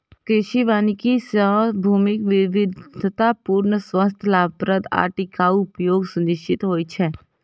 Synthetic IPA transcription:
kɾɪʃiʋaːnikisəbʱuːmɪkʋɪʋɪd̪ʱt̪apuːɾɳəswəst̪ʰəlaːpɾəd̪a̰ːʈikauʊpjoːɡsʊnɪʃt͡ʃɪt̪ɦoːit͡ʃʰɛː

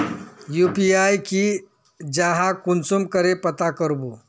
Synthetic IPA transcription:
jupiajki | d͡ʒaɦãkunt͡sumkəɾepət̪akəɾbu

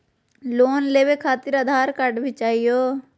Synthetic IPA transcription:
loːnleːwekʰaːt̪ɪɾəd̪ʱaːɾkəʈbʱɪt͡ʃaːijoː

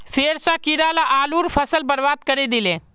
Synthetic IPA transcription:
feːɾsãkiɾalaʔaːluːɾpʰɐsəlbəɾʋaːd̪̚kɐɾid̪ɪlẽː

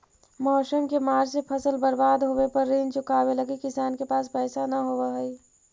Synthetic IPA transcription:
mɔːsəmkemaːd͡ʒsepʰɐsəlbɐɾbaːd̪ɦoːʋepɐɾːiːnt͡ʃʊkaːwelɐɡikɪsaːnkepaːspɛːsanɐɦoːʋaɦɛi

